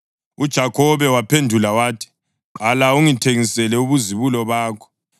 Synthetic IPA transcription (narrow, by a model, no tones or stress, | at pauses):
ud̥ʒ̥ʱakʰɔβɛwapʰendʱulawaːtʰi̥ | ǃalauŋitʰeŋisɛlɛuβuziβulɔβaːkʰɔ̥